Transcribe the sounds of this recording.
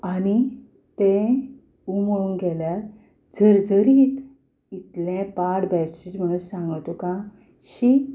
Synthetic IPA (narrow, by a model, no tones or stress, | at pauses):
aɽi | t̪ẽ | umoɭuːnɡʱɛljat | d͡zəɾd͡zəɾit̪ | it̪lɛ̃paɽbɛfsiʈm̤əɽ̃uːnsãŋɡt̪ukã | ɕi